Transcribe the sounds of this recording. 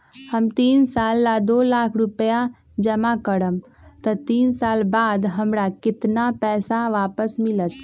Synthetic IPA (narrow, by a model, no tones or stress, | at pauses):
həmt̪iːnsaːlːad̪oːlaːkʰɾʊpəja | d͡ʒəmakəɽəm | t̪ət̪iːnsaːlbaːd̪ɦəmɾakɪt̪napɛːsaʋaːpəsmɪlət̪